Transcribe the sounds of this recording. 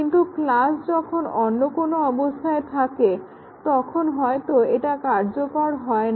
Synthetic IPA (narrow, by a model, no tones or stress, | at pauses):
int̪uklasd͡ʑɔkʰonɔnːokonoɔbost̪ʰaet̪ʰake | t̪ɔkʰonɦɔet̪oeʈakaɾd͡ʑokɔɾɦɔen